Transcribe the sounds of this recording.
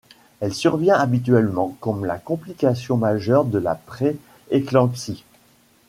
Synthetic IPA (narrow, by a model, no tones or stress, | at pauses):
ɛlsyʁvjɛ̃abit̪̬ɥɛlmɑ̃kɔmla̰kɔ̃plikʲasjɔ̃maʒœʁd̪əla̰pχe | eklɑ̃ksi